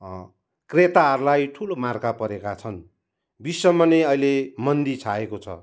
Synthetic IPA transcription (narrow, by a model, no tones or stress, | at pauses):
kret̪aɦʌɾulajʈʰulomarkapʌɾekat͡sʰʌn | bisːʌmʌneʌjlemʌnd̪it͡sʰaekot͡sʰʌ̰